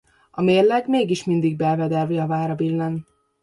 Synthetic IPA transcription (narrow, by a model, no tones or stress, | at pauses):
ɒmeːrlɛɡmeːɡiʃmind̪iɡ̚bɛlvɛd̪ɛlviɒvaːɾɒbilːɛn